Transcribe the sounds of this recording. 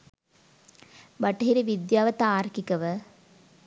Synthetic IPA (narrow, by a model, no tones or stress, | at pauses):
baʈɐɦiɾiʋid̪jaːʋɐt̪aːɾkikəʋə